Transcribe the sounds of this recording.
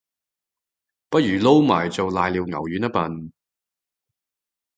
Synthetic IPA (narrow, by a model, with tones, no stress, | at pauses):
pɐ˥t̚ɥyː˨˩lo˥wma̰ː˨˩jt͡so˨wlaː˨jliː˧wŋɐ̰˨˩wjyː˨˥nɐ˥t̚pɐ˨n